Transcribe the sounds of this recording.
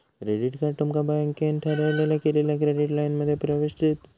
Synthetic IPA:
kɾeɖiʈkaʈumkabajŋkenʈʰɐɾalelakelilakɾeɖiʈlajnmɐd̪ʱːjepɾɐʋiʃʈit̪

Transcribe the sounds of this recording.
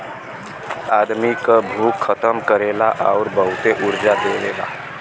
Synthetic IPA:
aːd̪mikabʱuːkʰːət̪əmkəɾeːlaʔaːɾbəɦʊt̪eʔʊɾd͡ʒad̪eːlḛːla̰ː

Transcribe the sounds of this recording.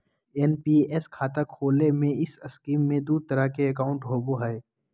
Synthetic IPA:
enpiɛskʰaːt̪akʰoːlemẽɪsɐskiːmːẽd̪uːd̪̚t̪əɾakeɐkaːʊ̃ɳʈɦoːboɦɛe

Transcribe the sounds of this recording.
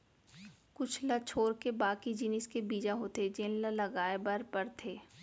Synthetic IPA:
kʊt͡ʃʰlɐt͡ʃʰoːɾkebaːkid͡ʒinɪskebiːd͡ʒaɦot̪ed͡ʒeːnləlɐɡaːebɐɾpɐɾt̪ʰeː

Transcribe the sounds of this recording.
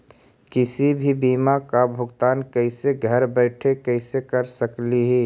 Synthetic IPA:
kɪsibʱibiːmakabʱʊɡt̪aːnkɛɪseɡʱəɾbɛɪʈʰekɛɪsekɐɾsəkliɦɛ

